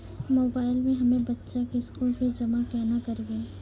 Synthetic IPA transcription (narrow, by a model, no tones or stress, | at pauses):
moːbaːɪlmẽɦɐmẽbɐtːʃakiskuːlbʱid͡ʒɐmakɛːnakɐɾbĩː